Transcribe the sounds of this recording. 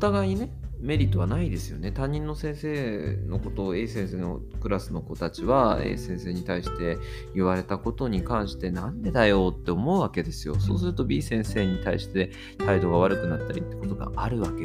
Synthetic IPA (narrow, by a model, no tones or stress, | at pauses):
ot̪aɡaiɲine̞me̞ɾʲit̪ːo̞βanaid̪e̞sɨjo̞̰ne̞t̪ãɲ̟ːĩnːo̞sẽ̞ɰ̃se̞ːno̞ko̞t̪o̞eːsẽɰ̃se̞ːno̰ | kɯ̟ɾasɨno̞ko̞t̪at͡ɕiβaḛːsẽ̞se̞ːɲ̟it̪aiɕi̥t̪e̞ | iβaɾe̞t̪ako̞t̪o̞ɲ̟ikãɰ̃ɕi̥t̪e̞nãnd̪e̞d̪ajo̞ːt̪ːe̞o̞mo̞ɯ̟βake̞d̪e̞sɨjo̞̰so̞̰ːs̬ɨɾɯ̟t̪o̞bʲiːsẽ̞ɰ̃se̞ːɲ̟it̪aiɕi̥t̪e̞ | t̪aid̪o̞ɡaβaɾɯ̟kɯ̟nat̪ːaɾʲit̪ːe̞ko̞t̪o̞ɡa̰aɾɯ̟βake